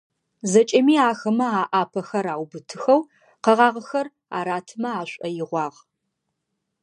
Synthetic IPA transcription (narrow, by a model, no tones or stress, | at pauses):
zɐt͡ʃʼɐmiːaːxɐmɐaːʔaːpʰɐxɐɾaːwbɨtʰɨxɐw | qɐʁɑːʁəxɐr | a̰ːɾaːtʰɨmɐaːɕʷʼɐjɪʁʷɑːʁ